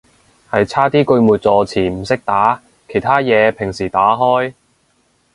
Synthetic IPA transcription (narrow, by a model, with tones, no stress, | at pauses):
hɐ˨jt͡sʰaː˥t̪iː˥kɵ˧ɥmuː˨t̚t͡sɔː˨˧t͡sʰiː˨˩m̩˨˩sɪ˥k̚t̪aː˨˥ | kʰe˨˩jt̪ʰaː˥jɛː˨˧pʰɪ˨˩ŋsiː˨˩t̪aː˨˥ɦɔː˥j